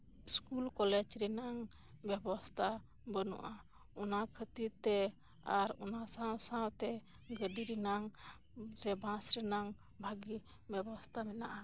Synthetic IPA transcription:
iskulkɔlɛd͡ʒɾɛnaŋ | bɛbɔst̪ʰa | bənɔ̰ʔa | ɔnakʰət̪it̪ɛ | aɾɔnasãsãwt̪ɛ | ɡəɖiɾinaŋ | sɛbãsɾɛnaŋ | bʱaɡi | bɛbɔst̪ʰamɛnaʔa

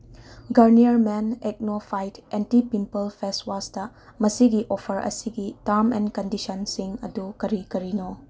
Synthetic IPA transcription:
ɡɐɾniɐɾmenek̚nopʰajtentipimpɐlpʰeswastɐ | mɐsiɡiʔopʰɐɾʔɐ̰siɡitaɾmɛ̰nkɐndisɐnsiŋɐdukɐɾikɐɾino

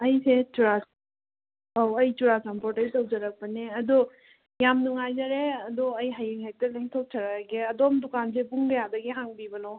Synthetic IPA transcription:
ɐjset͡ʃuɾas | awɐjt͡ʃuɾasampɔɾtɐjtɔwzaɾak̚pɐneɐd̪ɔ | jamnuŋajzaɾeɐd̪ɔɐjɦajeŋɦek̚tɐleŋtʰɔwp̚t͡ʃʰɐɾaɡeɐdɔmdukansebuŋɡɐjad̪ɐɡeɦaŋbibɐnɔ

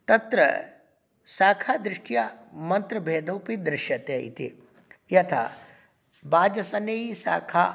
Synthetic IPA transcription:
t̪ɐt̪ɾɐ̰ | saːkʰaːd̪ɾɪʂʈijamɐnt̪ɾɐbʱeːd̪ɐwpid̪ɾɪʃjɐt̪eḭt̪ʰḭ | jɐt̪ʰa̰ː | baːd͡ʒɐsɐnjɐjisa̰ːkʰaː

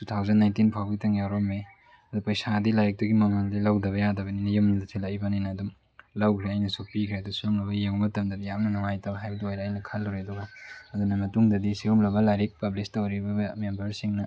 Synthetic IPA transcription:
tutʰawzɐnːajntinpʰawbɐɡitɐŋjawɾomːe | ɐdupɐjsadilajɾik̚tuɡimɐmaldilɐwdɐβɐjadɐbɐninɐjɐmnɐdɐsʰilaibɐninɐːdum | lɐwkʰɾeɐjnɐsupikʰɾeɐdusiɾumlɐbɐjeŋmɐtɐmdɐdijamnɐnɐŋajtɐbɐɦajbɐdiojɾeɐjnɐkʰalːɐwɾeɐduɡɐɐdunɐmɐtuŋdɐdisiɾumlɐbɐlajɾik̚pɐblistɐwɾibɐɐmembɐɾsiŋnɐ

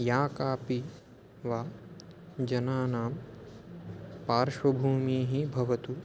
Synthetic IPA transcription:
jaːkaːpi | ʋaː | d͡ʒɐnaːnaːm | paːɾʃʋɐbʱuːmiːɦibʱɐʋɐt̪u

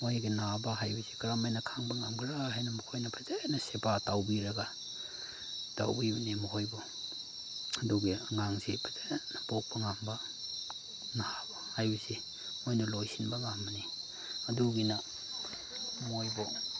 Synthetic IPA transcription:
mojɡenabaɦajbisikaɾamajnakʰaŋbaŋamɡɾaɦenamukʰojnapʰazenasepatawbiɾaɡa | ta̰wbibanemɔhɔjbɔ | aduɡeŋaŋsipʰazenabɔk̚baŋamba | nahabahajbisi | mojnalojsinbaŋamːani | aduɡina | mojbɔ

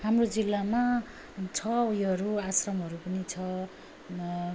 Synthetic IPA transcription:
hamrod͡zilːama | t͡sʰʌjɦʌɾuasrʌmɦʌɾupʌnit͡sʰʌ

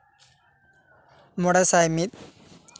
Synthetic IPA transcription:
muɽɐsajmit̪

